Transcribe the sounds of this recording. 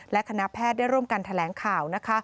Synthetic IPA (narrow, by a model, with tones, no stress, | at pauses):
lɛ˦˥kʰa˧na˦˥pʰɛː˥˩t̪̚da˥˩jɾu˥˩əmka˧nt̪ʰa˧lɛː˩˦ŋkʰaː˨˩wna˦˥kʰa˦˥